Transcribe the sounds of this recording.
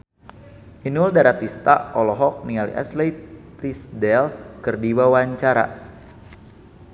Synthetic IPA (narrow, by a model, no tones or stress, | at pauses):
ʔinuldaɾat̪ist̪aɔlɔɦɔk̚niŋalḭʔa̰slej̪ | isdɛlkɨrdiwawaɲt͡ʃaɾa̰